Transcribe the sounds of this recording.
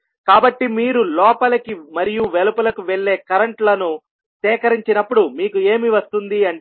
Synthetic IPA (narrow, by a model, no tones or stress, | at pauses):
kaːbɐʈːimiːɾulɔːpɐlɐkimɐɾijuʋɛlɐpɐlɐkuʋeɭːe̞ːkɐɾɐɳʈlɐnu | sɛːkɐɾiɲt͡ʃinɐpːuɽumiːkue̞ːmiʋɐst̪und̪iɐɳ